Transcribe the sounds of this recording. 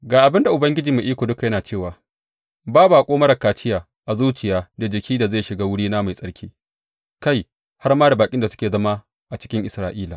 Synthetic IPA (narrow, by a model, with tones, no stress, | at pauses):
ɡaː˨ʔa˨bɪ˦nda˨ʔʊ˨bɐ˦ŋɡʲɪ˦d͡ʒiː˨me˨ʔiː˦kʷoː˨dʊ˦ka˨jɐ˦naː˨t͡ʃeː˦˨waː˨ | baː˦baː˨kʷʼoː˦mɐ˦ɽa˨kaː˨t͡ʃɪ˦jaː˨ | ʔa˨zuː˦t͡ʃɪ˨jaː˦da˨d͡ʒɪ˨kʲʰiː˦da˨za˦˨jʃɪ˨ɡaː˦wʊ˦ɽiː˦na˦ma˨jsʼɐ˦ɽkʲʰiː˦ | ka˦˨j | ha˦rmaː˦da˨baː˨kʲʼɪ˦nda˨sʊ̥˦kʲeː˨zɐ˦ma˦ | ʔa˨t͡ʃɪ̥˦kʲɪ˦ŋʔɪ˨sɾaː˨˦ʔiː˦la̰˨